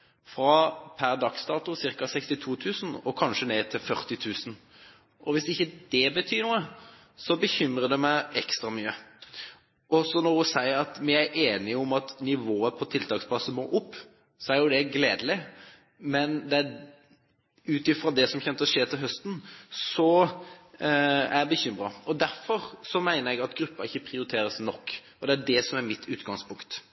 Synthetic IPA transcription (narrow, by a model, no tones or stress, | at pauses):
fɾɑpʰæɾd̪ɑksd̪ɑːt̪ʊsɪɾkɑsɛkst̪ɪt̪ʰuːt̪ʰʉːsn̩ɔkʰɑnʂəneːt̪ʰɪlfœʁt̪ɪt̪ʰʉːsn | ʔɔʋɪsɪçːəd̪ɛbət̪ʰyːnuːə | sɔbəçʏmɾəd̪ɛmæɪʔɛkst̪ɾɑmyːə | ʔɔsɔnɔɾʊsæɪɾɑt̪mɪæɾʔeːnɪɔmɑt̪nɪʋoːəpʰɔt̪ʰɪlt̪ɑːkspʰlɑsəmo̰ːʔʊpː | sɔæɾjʊd̪ɛɡleːd̪əlɪ | mɛnd̪ɛæ | ʉːt̪ɪfʁɑd̪ɛsɔmçɛnt̪əɔʂeːt̪ʰɪlɦœst̪n̩sɔ | æbəçʏmɾɑɔd̪æɾfɔɾsɔmæɪnəɾɛɡɑt̪ɡɾʉpːəɾɪçːəpʰɾɪʊɾɪt̪ʰeːɾəsnɔkː | ɔd̪ɛæɖɛsɔmæɾmɪt̪ʰːʉːt̪ɡɑŋspʰʊŋkt̪